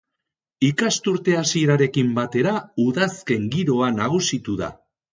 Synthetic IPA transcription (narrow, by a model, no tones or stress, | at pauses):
ikast̪uɾt̪e̞asieɾaɾe̞kimbat̪e̞ɾauðaske̞ŋɡiɾo̞anaɣ̞usit̪uða̰